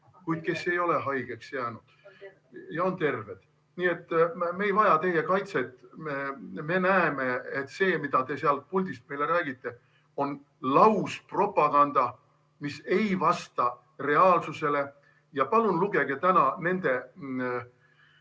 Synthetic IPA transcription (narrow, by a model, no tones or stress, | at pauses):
kujd̪̥̚ke̞sːe̞jo̞le̞ɦɑjɡ̥e̞ksjæːnud̪̥ | jɑo̞nt̪e̞rve̞d̪̥ | nie̞t̪ːme̞ːjvɑjɑt̪e̞je̞kɑjt̪set̪ːmeme̞næeme̞et̪ːse̞ːmid̪̥ɑt̪e̞seɑlt̪̚pulʲd̪ist̪̚me̞jle̞ɾæːɡ̥it̪ːe̞ | o̞n | lɑuwspro̞pːˑɑɡ̥ɑnd̪ɑ | mise̞jvɑst̪ɑ | re̞ɑːlsuse̞le̞ | jɑpɑlunluɡ̥e̞ɡe̞t̪ænɑne̞nd̪̥e̞